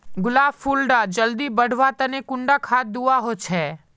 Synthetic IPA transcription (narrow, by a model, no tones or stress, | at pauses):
ɡʊlaːfuːlɖad͡ʒɐld̪ibəɽ̤ʋat̪ɐnekʊ̃ɳɖakʰaːt̪̚d̪uaɦot͡ʃʰɛː